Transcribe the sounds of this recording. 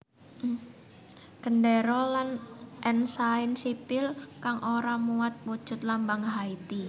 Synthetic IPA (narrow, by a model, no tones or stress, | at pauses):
ɡ̥əndeɾɔlanʔɛnsaɪnsipɪlkaŋʔoɾamuat̪̚wo̥d͡ʒ̥ʊt̪̚lambaŋɦait̪i